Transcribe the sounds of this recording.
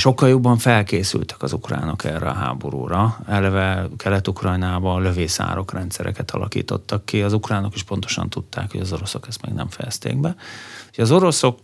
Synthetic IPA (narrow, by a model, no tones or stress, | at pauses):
ʃo̞kːɒljobːɒɱfɛlkeːsylt̪ɛ̥kɒzukra̰ːno̞kʰɛrɛɒɦa̰ːbo̞ɾṵːɾɒɛlɛvɛkʰɛlɛt̪ukrɒjnaːbɒlø̞veːsa̰ːɾo̞krɛnt̪sɛɾɛkɛt̪ʰɒlʔɒ̰kḭːt̪o̞t̪ːɒkːiɒzukraːno̞kiʃpo̞nt̪o̞̥ʃɒ̰nt̪ut̪ːaːkhoɟɒzo̞ɾo̞so̞kɛst̪mɛ̰ɡnɛɱfɛjɛst̪ḛːɡbɛjɒzo̞ɾo̞so̞k